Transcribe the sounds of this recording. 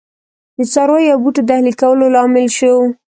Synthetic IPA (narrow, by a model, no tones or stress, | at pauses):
d̪ət͡sɑɾojabuʈod̪ahlikawəlolɑmɪlʃow